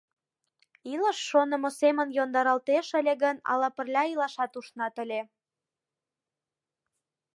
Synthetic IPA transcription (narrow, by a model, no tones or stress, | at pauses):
iləʃːonə̆mosemənjond̪ɑɾɑlt̪eʃəlʲeɣənɑ̰lɑpə̆rlʲɑilɑʃɑt̪uʃnɑt̪əlʲe